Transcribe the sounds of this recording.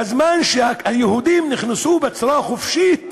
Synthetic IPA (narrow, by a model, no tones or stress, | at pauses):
azmaːnʃaajehud̪iːmnɪxnɪsubɪt͡sɾˤɑːxofʃit̪